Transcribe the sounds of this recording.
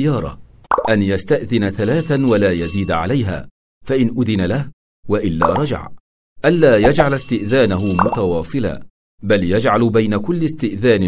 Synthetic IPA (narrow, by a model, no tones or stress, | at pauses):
jɑːɾˤɑ̰ʔanjast̪aʔðɪnaθalaːθawalaːjaziːd̪ʕa̰lajɦa̰ː | faʔɪnʔʊðɪnalah | waʔɪlːa̰ːɾˤɑd͡ʒa̰ʕ | ʔanːaːjad͡ʒʕalst̪ɪʔðaːnaɦʊmʊt̪ɑwɑːsˤɨla̰ː | baljad͡ʒʕalbajnakʊlːɪst̪ɪʔðaːnɪ